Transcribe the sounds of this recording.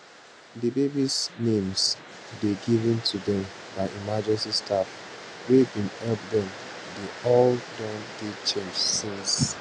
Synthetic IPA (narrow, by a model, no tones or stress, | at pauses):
dəbebisnẽms | deɡivə̃ntʰudɛ̃mbaɪʔimad͡ʒɛ̃nsistʰafɹebĩnhɛbdɛ̃m | deɔldɔ̃ndet͡ʃẽmd͡ʒsĩns